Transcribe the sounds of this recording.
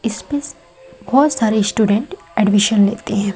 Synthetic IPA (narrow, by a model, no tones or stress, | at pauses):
ispes | bʱɔːt̪saɾesʈuːɖẽɳʈ | ɛɖʋiʃənlet̪eɦɛ̃